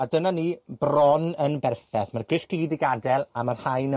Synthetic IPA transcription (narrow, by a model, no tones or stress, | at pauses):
adənaniːbrɔnənbɛrθɛθmarɡɪʃkɪdɪɡadɛlˠamarhajnə